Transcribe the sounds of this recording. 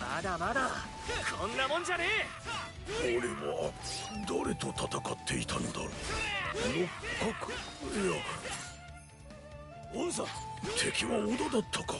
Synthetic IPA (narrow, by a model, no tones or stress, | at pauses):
mad̪amad̪a | kɾonːamond͡ʑaɾe | oɾeβa̰d̪aɾet̪ot̪ʰat̪akat̪ːe̞it̪ʰand̪a̰ | nokkːakɯja | ons̬at̪ʰe̞kʲiβaod̪ad̪at̪ʰːakḁ